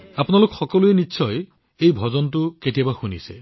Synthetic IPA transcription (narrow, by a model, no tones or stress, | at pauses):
apɔnalokɔxɔkɔluenitːsʰɔj | ejbʱɔd͡ʒɔnt̬ukeʈibaxunḭse